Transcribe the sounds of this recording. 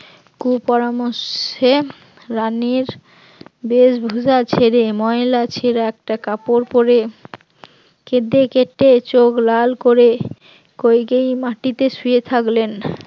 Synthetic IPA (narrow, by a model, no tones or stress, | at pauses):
kupɔɾamoʃe | ɾaniɾ | beʃbʱud͡ʑat͡ɕʰeɾemɔelat͡ɕʰeɾaɛk̚ʈakapoɾpoɾe | ked̪ekeʈːet͡ɕoklalkoɾe | kojɡejmaʈit̪eʃujet̪ʰaklen